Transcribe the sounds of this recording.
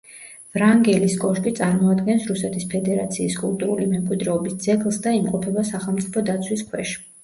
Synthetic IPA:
vɾaŋɡɛliskʼɔʃkʼit̪sʼaɾmɔad̪ɡɛnsɾusɛt̪ʰispʰɛd̪ɛɾat̪sʰiːskʼulˠt̪ʼuɾulimɛmkʼwid̪ɾɛɔbisd̪zɛɡlˠsd̪aimqʼɔpʰɛbasaχɛlˠmt̪sʼipʰɔd̪at̪sʰwiskʰwɛʃ

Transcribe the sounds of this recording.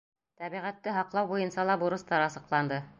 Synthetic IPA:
t̪æβiʁæt̪ːɘɦɑqlˠɑwbujɤ̆nsɑlˠɑbuɾɤ̆st̪ɑɾɑsɤ̆qlˠɑnd̪ɤ

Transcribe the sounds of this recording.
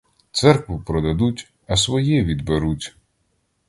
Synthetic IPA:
t̪sɛrkʋʊpɾɔd̪ɐd̪utʲ | ɐsʋɔjɛʋʲid̪beɾutʲ

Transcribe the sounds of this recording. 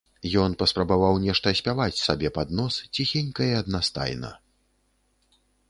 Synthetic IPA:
jɔnpɐspɾɐbavawnʲɛʂt̪ɐsʲpʲavat͡sʲsabʲɛpad̪nɔst͡sʲixʲɛnʲkɐjɐɐd̪nast̪a̰jnɐ̰

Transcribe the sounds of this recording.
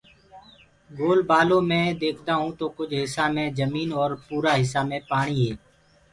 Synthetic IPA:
ɡoːlbaːlõːmẽːd̪eːkʰt̪aːɦũːt̪oːkʊd͡ʒʰʱɦɪsaːmẽːzəmiːnɔːɾpuːɾaːɦɪs̬aːmẽːpaːɽ̃iːɦɛː

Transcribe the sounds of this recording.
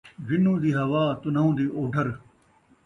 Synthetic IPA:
ʋinũːd̪iːɦɐʋaːt̪unɐũːd̪iːʔoːɖʱɐɾ

